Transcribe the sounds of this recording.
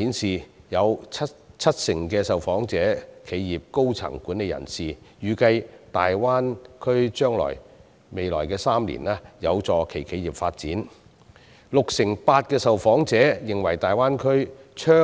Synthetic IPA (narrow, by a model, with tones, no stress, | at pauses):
i˨˥nsiː˨jɐ˨˧wʰɐ˥tt͡sʰɐ˥t̚sɪ˨˩ŋkɛː˧sɐ˨wfɔː˨˥ŋt͡sɛː˨˥kʰe˨˧jjiː˨p̚ko˥wt͡sʰɐ̰˨˩ŋkuː˨˥ne˧jɐ̰˨˩nsiː˨jyː˨kɐ˧jt̪aː˨jwaː˥nkʰɵ˥ɥt͡ʃœː˥ŋlɔ̰ː˨˩j | me˨jlɔ̰ː˨˩jkɛː˧saː˥mlḭː˨˩naː˦˥jɐ˨˧wt͡sɔː˨kʰe˨˩jkʰe˨˧jiː˨˩p̚faː˧t̚t͡siː˨˥n | lʊ˨k̚sɪ˨˩ŋpaː˧t̚kɛː˧sɐ˨wfɔː˨˥ŋt͡sɛː˨˥jɪ˨˩ŋwɐ˨˩jt̪aː˨jwaː˥nkʰɵ˥ɥt͡ʃʰœː˥